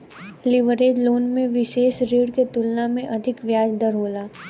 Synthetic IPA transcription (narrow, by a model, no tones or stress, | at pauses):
lɪʋəɾeːd͡ʒloːnmẽʋɪʃeːʃɾeːɽket̪ʊlnamẽʔɐd̪ʱɪkʋjaːd͡ʒd̪əɾɦoːlaː